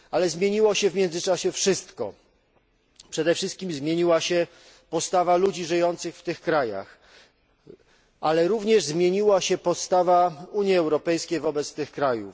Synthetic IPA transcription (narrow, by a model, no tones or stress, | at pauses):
alɛzmʲjeɲiwɔɕɛvmʲjɛnd̪zɘt͡ʂaɕɛfʂɘst̪kɔ̰ | pʂɛd̪ɛfʂɘst̪̚kʲimzmʲjeɲiwaɕɛ | pɔst̪avalud͡ʑiʐɘjɔnt̪sɘxft̪ɘxkɾaja̰x | ʔalɛɾuvɲɛʐzmʲjeɲiwaɕɛpɔt̪st̪avauɲjiɛwɾɔpɛjskʲejvɔbɛt̪st̪ɘxkɾajṵf